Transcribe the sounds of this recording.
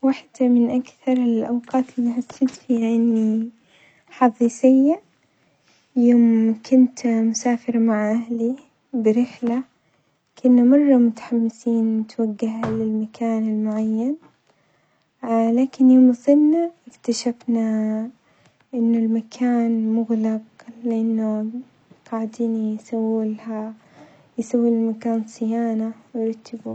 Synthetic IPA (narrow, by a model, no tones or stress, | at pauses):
waħd̪amɪnʔakθɑɾˤɪlʔawqɑːt̪ʔɪniħasːɪːt̪fiʕanːi | ħɑðˤiːsɪjːa | joːmkʰʊnt̪mʊsaːfɪɾmaʕʔahli | bɪɾɪħla | kʰʊnːamɑrˤːɑmʊt̪ḁħamːɪsiːnmʊt̪waɡːahlɪlmakʰaːnɪlmʊʕajːan | laːkɪnjoːmsˤɪnːaʔɪkt̪aʃafna | ʔɪnːʊlmakʰaːnmʊɣlɪqlɪʔanːʊ | ɡ̥aʕd̪iːnisawːɪlha | jsawːilɪlmakaːnsˤɪjaːnawjɾˤɑt̪ːɪbu